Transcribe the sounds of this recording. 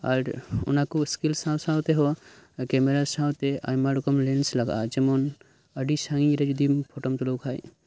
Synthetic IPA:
a̰ɾʊ̰nakuskilsawsawt̪eɦɔkɛmeɾasawt̪ea̰jmaɾkɔmlensləɡa̰d͡ʒɛmɔn | əɖisãŋĩɾɛd͡ʒud̪impʰoʈɔmt̪ulɔwkʰaːj

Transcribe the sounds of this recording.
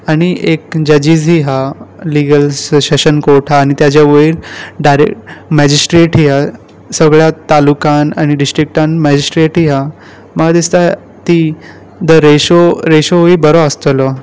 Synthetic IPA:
aɽ̃iekd͡ʑəd͡ʑiːd͡zɦiːɦaliɡəlsɕəɕənkoɾʈʰɦaːɽ̃it̪jat͡ɕjaʋəilɖajɾḛkʈmɛd͡ʑisʈɾeʈɦiːɦa | səɡɭjat̪alukana̰ɽ̃iɖisʈɾik̚ʈãnmɛd͡ʑisʈɾeʈɦiɦa | məɡad̪ist̪a | t̪i | d̪əɾeɕoɾeɕoɦiːbəɾoəst̪əlɔ

